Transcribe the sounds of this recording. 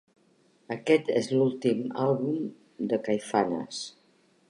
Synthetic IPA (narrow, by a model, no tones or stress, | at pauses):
əkɛt̪ḛzlulˠt̪ima̰lˠβum | d̪əkajfanə̰s